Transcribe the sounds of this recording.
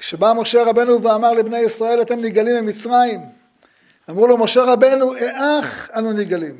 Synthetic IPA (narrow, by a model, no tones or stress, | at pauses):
kʃebamo̞ʃe̞ʁabe̞nuveamaʁlebne̞jisʁae̞lat̪e̞mniɡalimemit͡sʁaim | amʁulomo̞ʃe̞ʁabe̞nuʔeʔaχanuniɡalim